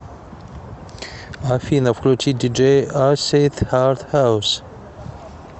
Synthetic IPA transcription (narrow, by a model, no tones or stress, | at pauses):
afinafklotʰidid͡ʒeaset̪ʰhaɾt̪haws